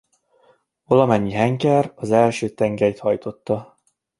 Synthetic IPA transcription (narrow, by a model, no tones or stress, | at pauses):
volɒmɛɲːiɦɛŋkɛrɒzɛlʃøːt̪ɛŋɡɛjt̪hɒjt̪o̞t̪ːɒ